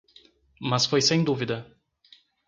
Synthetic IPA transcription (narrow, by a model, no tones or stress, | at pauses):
mɐsfojsẽj̃d̪uvid̪ɐ